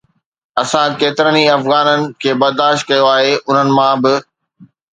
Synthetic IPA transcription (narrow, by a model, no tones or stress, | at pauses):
ɐsãkeːt̪ɪɾəniɐfɣaːnənɪ̆kʰeːbɐɾd̪aːʃt̪̚kɐjoaːɦeʔʊn̤ənɪ̆mãbɪ